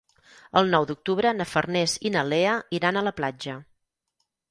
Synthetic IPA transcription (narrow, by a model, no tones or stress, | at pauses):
əlˠnɔwd̪uk̚t̪uβɾənəfərnɛzinəleəiɾanələplad͡ʒə